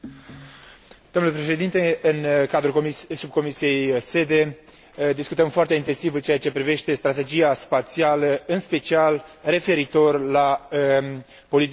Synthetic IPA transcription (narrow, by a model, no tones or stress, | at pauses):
d̪̥omnlepɾe̞ʃe̞d̪int̪e̞ɨnkad̪ɾusub̚ko̞misije̞jse̞d̪e̞ | d̪iskut̪əmfoart̪e̞int̪e̞nsivɨnt͡ʃeat͡ʃe̞pɾive̞ʃt̪e̞st̪ɾat̪e̞d͡ʒiaspat̪sialəɨnspe̞t͡ʃialre̞fe̞ɾit̪o̞rla | po̞lit̪i